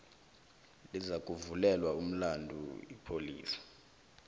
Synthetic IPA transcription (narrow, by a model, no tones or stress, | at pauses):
lizakʼuvulɛlwaum̩landʱṵḭpʰoliːsḁ